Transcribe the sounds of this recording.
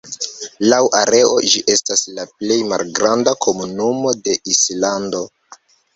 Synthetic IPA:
lawʔaɾe̞o̞d͡ʒiʔe̞staslaple̞jma̰lɡɾandakʰo̞munumo̞de̞ʔislando̞

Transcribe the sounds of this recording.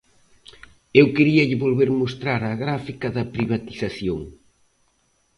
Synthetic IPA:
ewkeɾiɐʎɪβolβeɾmost̪ɾaɾɐɣɾafikɐðɐpɾiβ̞at̪iθaθjoŋ

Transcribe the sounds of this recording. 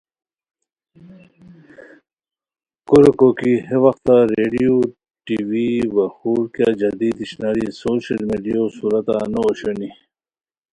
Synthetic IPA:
koɾekokiheʋɐxt̪aɾeːɖijoː | ʈiwibɐxuːɾkjad͡ʑɐd̪iːd̪iɕnaːɾisoːɕɐlmiɖijosuːɾɐt̪a̰nooɕoni

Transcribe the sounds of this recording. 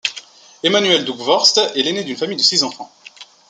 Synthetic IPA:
emanɥɛld̪ukvɔʁst̪ɛlened̪ynfamijd̪əsizɑ̃fɑ̃

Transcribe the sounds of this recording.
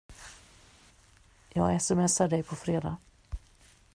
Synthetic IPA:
jɑːɡɛːsəmɛsaɖɛjpʰɔfɾeːd̪a̰

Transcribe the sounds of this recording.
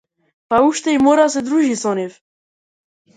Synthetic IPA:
pauʃt̪ɛjmoɾasɛd̪ɾuʒisɔnef

